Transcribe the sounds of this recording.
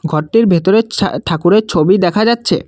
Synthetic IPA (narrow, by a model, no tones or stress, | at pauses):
ɡʱɔʈːiɾbʱet̪oɾeʈʰakuɾeɾt͡ɕʰobid̪ɛkʰad͡ʑatːɕʰḛ